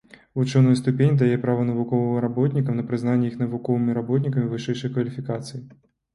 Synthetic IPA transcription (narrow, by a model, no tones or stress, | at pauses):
vut͡ʂɔnɔjst̪upʲenʲid̪ajɛpɾavɐnɐvukɔvɨɐɾabɔt̪nʲikɐmnɐpɾɨznanʲːɛjixn̪ɐvukɔvɨmʲiɾabɔt̪̬ʲnʲikɐmʲivɨʂɛjʂɨjkvɐlʲifʲikat̪sɨji